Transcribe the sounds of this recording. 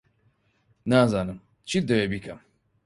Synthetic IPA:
naːzaːnɨm | t͡ʃʰid̪ɛwebikʰɐm

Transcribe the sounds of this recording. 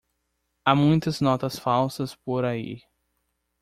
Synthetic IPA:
amũj̃t̪ɐznɔt̪ɐsfawsɐspoɾaḭ

